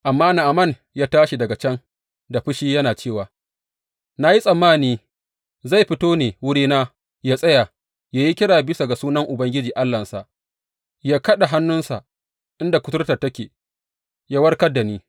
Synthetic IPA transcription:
ʔa˨mːaː˦na˨ʔa˨mɐ˦˨n | jaː˦taː˦ʃi˨dɐ˨ɡa˨t͡ʃɐ˦n | da˨ɸɪ˦ʃiː˦jɐ˦naː˨t͡ʃeː˦˨waː˨ | na˨ji˦sʼɐ˨mːaː˦˨niː˦ | za˦˨jɸɪ˦toː˦neː˨wʊ˦ɽiː˦naː˦ | jaː˦sʼɐ˦ja˨ | jaː˦ji˦kʲɪ˦ɽaː˨bɪ˦sa˨ɡa˨suː˦nɐ˦ŋʔʊ˨bɐ˦ŋɡʲɪ˦d͡ʒiː˨ʔa˦lːɐ˨nsa˨ʔ | jaː˦kɐ˦ɗa˨ɦa˦nːʊ˦nsa̰˨ | ʔɪ˦nda˨kʷʊ˦tʊ˦rtɐ˨tɐ˦kʲeː˨ | jaː˦wɐ˦rkɐ˦da˨niː˦

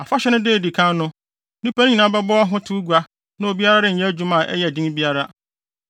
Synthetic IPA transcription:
a˨fa˦ɕɛ˦nʊ̃˦deː˦˨di˨kʰã˦n˦nʊ̃˦ | nĩ˦pʰa˦ñ˦ɲĩ˨nã˦bɛ˦bɔ˦a˦ɦʊ̃˦tʰu˦ɡu˨a˦ | nã˦o˨bi˦a˦ɾa˦dɪ˦˨jɛ̃˦æ˦d͡ʑᶣu˦mã˨ʔɛ̰˦jɛ˨dĩ˦ŋ˦bi˦a˦ɾa˦

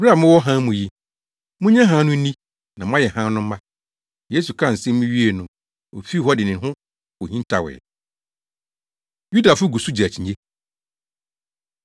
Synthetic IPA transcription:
ba˨mʊ̃˦wɔ˦ɦã˦mũ˨ji˦ | mʊ̃˦ɲã˦ɦã˦nʊ̃˦nĩ˦ | nã˨m˦ã˦jɛ˨hã˦nʊ̃˦m̩˦mã˦ | je˦su˨kʰã˦˨n̩˨sɪ̃˦mʊ̃˦ɥi˦e˨nʊ̃˨ | o̰˨fi˦hɔ˦dɪ˨nɪ̃˨nɦʊ̃˦ | o˨hĩ˦ntʰa˨wɛ̰˨ | ju˦da˨fʊ˦ɡu˨su˦d͡ʑi˨æ˨t͡ɕʰĩ˨ɲe˦

